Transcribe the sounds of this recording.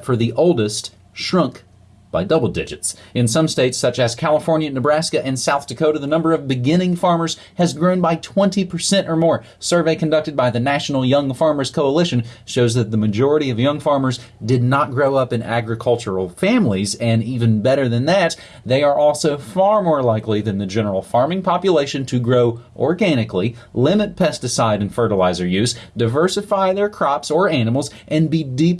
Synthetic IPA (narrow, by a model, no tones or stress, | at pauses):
tfə˞ðiʔoʊlˠdɨst | ʃɹʌ̃ŋk | b̥aɪdʌbl̩ˠdɪ̰d͡ʒɨtsɨ̃nsʌ̃msteɪtsʌt͡ʃɨz̥kʰælˠəfɔɹnjɨnɨbɹæskɨʔɨ̃nsaʊθtʰɨkʰoʊɾɨðɨnʌ̃mbə˞ʌvbɨɡɪ̃ñɪ̃ŋfɑɹmə˞z̥ | ɨzɡɹõʊ̃nbaɪtʰw̥ɛ̃ntipʰə˞sɛ̃ñtə˞mɔɹ | sɜ˞veɪkʰɨ̃n̩dʌk̚tɨd̚baɪðɨnæʃn̩l̩ˠjʌ̃ŋfɑɹmə˞z̥kʰoʊəlɪʃɨ̃n̩ʃoʊzðɨt̪̚ðɨmɨd͡ʒɔɹɨɾiʌvjʌ̃ŋfɑɹmə˞zdɨdⁿnət̚ɡ̥ɹoʊʌpɨ̃næ̰ɡɹɨkʰʌlˠt͡ʃə˞l̩ˠfæ̃mlizɨ̃nivɨ̃nbɛɾə˞ðɨ̃nðæt̪̚ | ðeɪə˞ʔɔlˠsoʊfɑɹmɔɹlaɪkliðɨ̃nðɨd͡ʒɛnə˞l̩ˠfɑɹmɪ̃ŋpʰɑpjɨleɪʃɨ̃ntʰɨɡɹoʊʔɔ̰ɹɡæñɨkli | lɪ̃mɨt̚pʰɛstɨsaɪɾɨ̃nfɜ˞ɾəlaɪzə˞jʉzd̥aɪvɜ˞sɨfaɪðə˞kʰɹ̥ɑpsə˞ænəm̩l̩ˠz | ʔɨ̃nbidip̚